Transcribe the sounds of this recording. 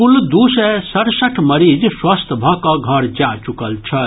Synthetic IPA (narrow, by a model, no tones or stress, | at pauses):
kuld̪usesəɾsəʈʰməɾid͡ʒswast̪ʰbʱʌkɔɡʱʌɾd͡ʒat͡ʃukəlt͡ʃʰʌ